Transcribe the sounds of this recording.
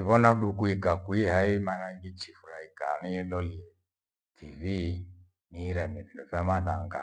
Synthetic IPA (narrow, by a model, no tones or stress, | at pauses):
iβɔnaɗukuikakuihaimanaŋɡit͡ʃifuɾaika̰niɛlɔliɛ | tʰivi | niɾɛmɛnɛdɔfamaðaŋɡa̰